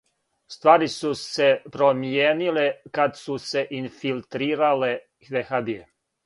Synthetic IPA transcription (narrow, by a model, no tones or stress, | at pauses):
st̪ʋaːɾisusepɾomjeːnilekad̪suse̞ʔinfilt̪ɾiːɾale | ʋexabie